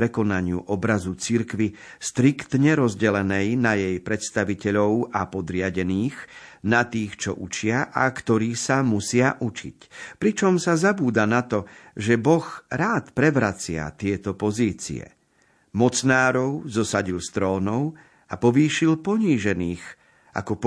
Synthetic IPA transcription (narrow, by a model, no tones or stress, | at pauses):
ɾɛkɔnaɲɪṵʔɔbɾazut͡siɾkʋiʃt̪ɾikt̪ɲɛɾɔzɟɛlɛnɛjnajɛjpɾɛt̪st̪aʋicɛʎɔʊapɔd̪ɾɪaɟɛniːxnat̪iːxt͡ʃɔ̰ʔut͡ʃɪaʔa̰kt̪ɔɾiːsamusɪaʔut͡ʃḭcpɾit͡ʃɔmsazabuːd̪anat̪ɔʒɛbɔxɾaːt̪pɾɛʋɾat͡sɪa̰t̪ɪɛt̪ɔpɔziːt͡sḭɛ̰ | mɔt͡snaːɾɔʊzɔsaɟilst̪ɾɔːnɔʊ | apɔʋiːʃilpɔɲiːʒɛniːɣ | a̰kɔp